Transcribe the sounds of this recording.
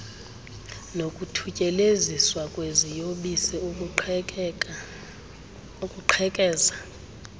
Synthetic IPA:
nokʼutʰucʼɛleziswakʼwezijoɓisɛ | ukʼuǃʰɛkʼɛːza

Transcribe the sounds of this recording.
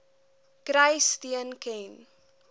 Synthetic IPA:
kɾəjstiənkɛn

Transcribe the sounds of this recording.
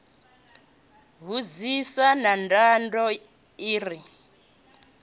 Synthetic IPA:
βud͡zisanandandɔ | iːri

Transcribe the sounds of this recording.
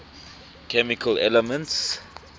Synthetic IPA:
kʰɛmikʰəlɛ̰ləmə̃nts

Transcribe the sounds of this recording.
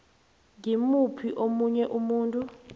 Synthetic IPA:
ŋɡimupʰiʔomuɲɛʔumuːntʼu

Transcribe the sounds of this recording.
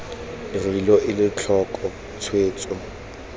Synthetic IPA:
ɪrilɔʔɪlɪt͡ɬʰɔkʼɔ | t͡sʰweːt͡sʼɔ

